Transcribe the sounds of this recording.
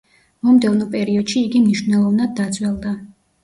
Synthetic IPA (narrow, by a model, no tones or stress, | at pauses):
mɔmd̪ɛvnɔpʼɛɾiɔd̪̥ʃiːɡimniʃvnɛlˠɔvnad̪̚ːat̪sʼwɛlˠd̪a